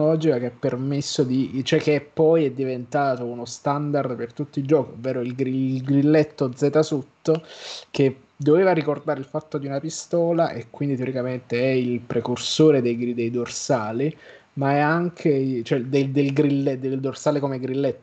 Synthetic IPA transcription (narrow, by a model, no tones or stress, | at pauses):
ɔd͡ʒikakeapːermesːod̪it͡ʃoɛk̟ːepːɔjɛd̪ːivent̪aːt̪ounost̪and̪ard̪pert̪ut̪ːild͡ʒɔːkiovːɛːɾoilɡɾilɡɾilːet̪ːod̪zɛːt̪asut̪ːok̟e | d̪ːoveːvaɾikord̪aːɾeilfat̪ːod̪iunapist̪ɔːlaʔekwind̪it̪eoɾikament̪eɛilpɾekursoːɾed̪ejɡid̪ejd̪orsaːli | maɛaŋkʰet͡ʃoɛd̪ed̪elɡɾilːed̪eld̪orsaːlekomeɡɾilːɛt̪ː